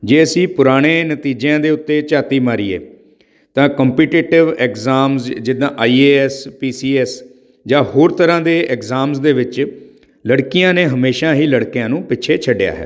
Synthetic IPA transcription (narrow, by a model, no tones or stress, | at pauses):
d͡ʒeːəsĩːpʊɾaːɽ̃eːnət̪iːd͡ʒeãːd̪eːʊt̪ːeːt͡ʃaːt̪iːmaːɾiːḛː | t̪ãːkəmpiːʈeːʈɪʋɛːkzaːmsd͡ʒɪd̪ãːʔaːiːeːɛspiːsiːɛːs | d͡ʒãːhoːɾt̪əɾãːd̪eːʔɛkzaːmsd̪eːʋɪt͡ʃ | ləɽkɪjãːneːɦəmeːʃaːɦiːləɽkjãːnũːpɪːt͡ʃʰeːt͡ʃʰəɖja̰ːɦɛ̰ː